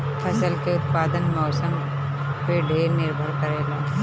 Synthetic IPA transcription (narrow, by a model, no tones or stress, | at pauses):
pʰɐsəlkeʊt̪̚paːd̪ənmɔːsəm | peɖʱeːɾnɪɾbʱəɾkəɾeːlaː